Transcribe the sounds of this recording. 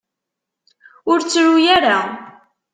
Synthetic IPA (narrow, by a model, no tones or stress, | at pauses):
ʊɾt͡sːɾujaɾa